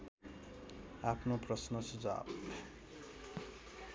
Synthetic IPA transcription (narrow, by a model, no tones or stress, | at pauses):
apʰnoprʌsnʌsud͡za̰b